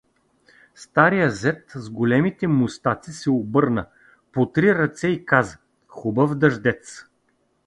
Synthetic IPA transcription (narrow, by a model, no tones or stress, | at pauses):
st̪aɾijəzɛt̪zɡolɛmit̪ɛmʊst̪at̪sisɛobɤɾnə | pot̪ɾiɾɐt̪sɛikazə̥ | xubəvd̪ɐʒd̪ɛt̪s